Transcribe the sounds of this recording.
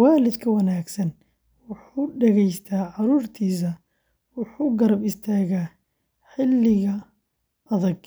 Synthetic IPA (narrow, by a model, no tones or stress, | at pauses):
waːlɪd̪kʰɐwɐnaːɡsɐn | wʊħuːɖɛɣɛjst̪ʰaːʕɑɾuːrt̪ʰiːs̬ɐ | wʊħuːɡɐɾɐbɪst̪ʰaːɣaː | ħɪlːɪɣɐ | ʔɐðɐɡ